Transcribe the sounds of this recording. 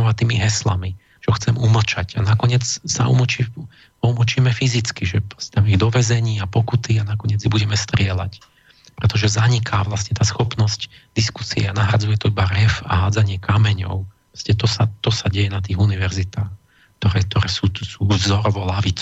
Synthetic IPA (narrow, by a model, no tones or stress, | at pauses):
ɔʋat̪iːmiɦɛsla̰mi | t͡ʃɔxt͡sɛmuml̩t͡ʃacanakɔɲɪɛt͡ssa̰ʔṵmlt͡ʃi | ɔml̩t͡ʃiːmɛfizit͡skiʒɛpɔst̪amiɣd̪ɔʋɛzɛɲiːapɔkut̪ianakɔɲɪɛd͡zibuɟɛmɛst̪ɾɪɛla̰c | pɾɛt̪ɔʒɛzaɲikʰaʋlasɲɛt̪aːsxɔpnɔsc | d̪isku̥siɛanaɦɾad͡zujɛt̪ɔibaɾɛfa̰ɦaːd͡zaɲɪɛkamɛɲɔ̰ʊɾɔscɛt̪ɔsat̪ɔsaɟɛjɛnat̪̬iːɣuniʋɛɾzit̪aːx | k̚t̪ɔɾɛk̚t̪ɔɾɛːsuːsuːvzɔɾɔʋɔlaʋit͡s